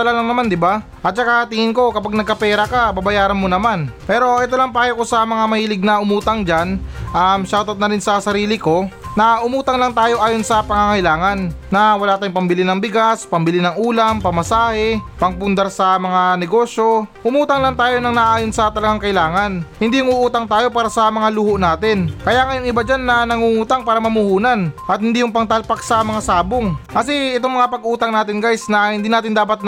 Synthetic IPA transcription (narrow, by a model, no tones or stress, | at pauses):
t̪ɐlalaŋnɐmand̪ɪba | ʔɐt̪̚t͡ʃɐkat̪ɪŋɪnko̞kɐpaɡ̚nɐɡ̚kɐpɛːɾɐkababɐjaːɾɐnmonɐmanpɛːɾo̞ʔɛt̪olɐŋpaːjokosɐmɐŋamɐhiːlɪɡ̚nɐʔʊmuːt̪ɐŋd͡ʒanʔɐmʃaːwt̪ɐt̪̚nɐɾɪnsɐsɐɾiːlɪko̞ːɐʔʊmuːt̪ɐŋlɐŋt̪aːjo̞ʔaːjo̞nsɐpɐŋaŋɐʔɪlaːŋɐnːɐwɐlaːt̪aːjoŋpɐmbɪlɪnɐŋbɪɡaspɐmbɪlɪnɐŋuːlɐmpɐmɐsaːhɛpɐŋpʊnd̪ɐɾsɐmɐŋanɛɡo̞ːʃjo̞ʔʊmuːt̪ɐŋlaŋt̪aːjo̞nɐŋnɐʔaːjo̞nsɐt̪ɐlɐɡaŋkɐʔɪlaːŋɐnhɪnd̪iːʊŋuʔuːt̪ɐŋt̪aːjo̞paːɾɐsɐmɐŋaluhoʔnaːt̪ɪnkɐjaːŋɐjoŋʔɪbad͡ʒanːɐnɐŋuŋuːt̪ɐŋpaːɾɐmɐmʊhuːnɐnʔɐt̪̚hɪnd̪iːjʊŋpɐŋt̪ɐlpaksɐmɐŋasaːboŋkɐsɛɛt̪oŋmɐŋapɐɡʔuːt̪ɐŋnaːt̪ɪnɡajsnɐhɪnd̪iːnaːt̪ɪnd̪aːpɐt̪̚n